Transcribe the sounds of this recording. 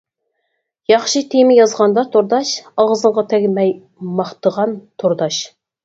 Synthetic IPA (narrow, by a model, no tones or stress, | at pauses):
jɑχʃit̪ʰemɪjɑzʁɑnd̪ɑt̪ʰoɾd̪ɑʃɑlˠʁəzəɴʁɑt̪ʰɛɡʲmɛj | mɑχt̪əʁɑnt̪ʰoɾd̪ɑʃ